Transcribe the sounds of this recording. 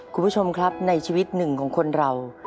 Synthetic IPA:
kʰu˧mpʰːbu˦˥t͡ɕʰo˧mkʰɾa˦˥p̚na˧jt͡ɕʰiː˧wi˦˥t̪̚nɯ˨˩ŋkʰɔː˩˦ŋkʰo˧nɾa˧w

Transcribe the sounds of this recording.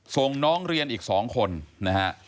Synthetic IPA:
so˨˩ŋnɔː˦˥ŋɾi˧ənʔiː˨˩k̚sɔː˩˦ŋkʰo˧nna˦˥ha˦˥ʔ

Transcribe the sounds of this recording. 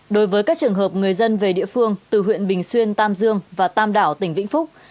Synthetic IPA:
ɗo˨˦jvəː˨˦jkaː˦˥k̚t͡ɕɨ˨˩əŋɦəː˨˩p̚ŋɨ˨˩əjzə˧nve˨˩ɗḭ˧˨əfɨ˧əŋt̪ɨ˨˩ɦwḭ˧˨ənɓï˨˩ŋ̟swi˧ənt̪aː˧mzɨ˧əŋvaː˨˩t̪aː˧mɗaː˧˩wt̪ï˧˩ŋ̟vḭ̈˧˥ŋ̟fʊ˦˥k͡p̚

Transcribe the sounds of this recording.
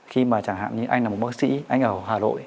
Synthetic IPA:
xi˧maː˨˩t͡ɕaː˧˩ŋɦa̰ː˧˨mɲɨ˧ʔa˧jŋ̟la˨˩m̚˨˩ɓa˦˥k̚sḭ˧˥ʔa˧jŋ̟ʔəː˧˩whaː˨˩no̰˧˨j

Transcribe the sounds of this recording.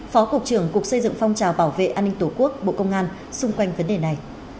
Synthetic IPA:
fɔ˨˦ku˨˩k̚t͡ɕɨ˧˩əŋkʊ˨˩ək̚sə˧jzɨ̰˧˨ŋfɔ˧wŋ͡mt͡ɕaː˨˩wɓaː˧˩wvḛ˧˨ʔaː˧nːï˧ŋ̟t̪o˧˩ku˦˥ək̚ɓo̰˧˨kə˧wŋ͡mʔaː˧n | sʊ˧ŋ͡mkwa˧jŋ̟və˨˦nɗe˨˩na˨˩j

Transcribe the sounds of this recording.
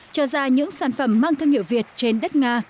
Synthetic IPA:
t͡ɕɔ˧zaː˧ɲɨ̰˧˥ŋsaː˧˩nfə˧˩mːaː˧ŋt̪ʰwŋhi˧˩əwvi˨˩ət̚t͡ɕe˧nɗə˦˥t̚ŋaː˧

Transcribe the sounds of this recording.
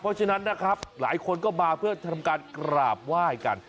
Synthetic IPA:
pʰɔ˦˥t͡ɕʰa˧na˦˥nːa˦˥kʰɾa˦˥p̚la̰ː˩˦jkʰo˧nkɔː˥˩maː˧pʰɯ˥˩ɐt̪ʰa˧mkaː˧nkɾaː˨˩p̚waː˥˩jka˧n

